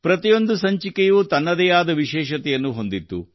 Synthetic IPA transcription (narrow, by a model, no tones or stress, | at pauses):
pɾɐt̪ijo̞nd̪usɐɲt͡ʃikejuːt̪ɐnːɐd̪ɛjaːd̪ɐʋiʃɛːʃɐt̪ɛjɐnːuɦo̞nd̪it̪ːṵ